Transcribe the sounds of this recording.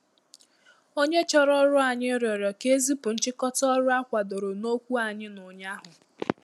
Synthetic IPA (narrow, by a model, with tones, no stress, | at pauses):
o˦ɲe˦t͡ʃɔ˦ɾɔ˦ɾʊ˦a˨ɲɪ˦ɾjɔ˨ɾjɔ˨ke˦zi˦pʊ˨n̩˦t͡ʃɪ˦kɔ˦tɔ˦ɾʊ˦a˦kʷa˨do˨ɾo˨no˦kʷu˦a˨ɲɪ˦nʊ˨ɲa˦ɦʊ˨